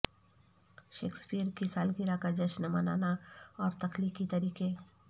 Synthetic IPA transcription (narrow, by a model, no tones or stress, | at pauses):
ʃeːkspiəɾkisaːlɡiɾakad͡ʒɐʃnəma̰ːna̰ːnaɔːɾt̪ɐklikit̪ɐɾiːke